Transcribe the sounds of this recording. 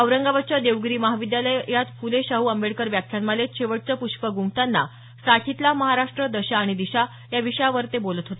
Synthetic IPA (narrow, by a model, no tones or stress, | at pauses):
əʋɾəŋɡaʋat͡ɕad̪eʋɡɾiːməɦaʋid̪jaləjjat̪fuleɕaɦuːəmbeɽkəɾʋjakʰjanməleɕeʋəʈ̚t͡səpuɕpəɡuŋɡ̚t̪anːa̰ | saʈʰit̪laməɦaɾaʂʈɾəd̪əɕaːɽ̃id̪iɕa | jaʋiɕəjaʋəɾt̪ebolət̪ɦot̪e